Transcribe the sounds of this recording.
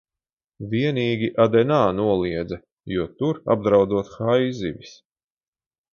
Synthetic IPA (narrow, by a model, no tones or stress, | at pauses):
vʲiɛniːɡʲiʔad̪ɛnaːnuɔlˠiɛd̪zɐ | juɔt̪uɾa̰b̚d̪ɾawd̪zuɔt̪xajzḭvʲis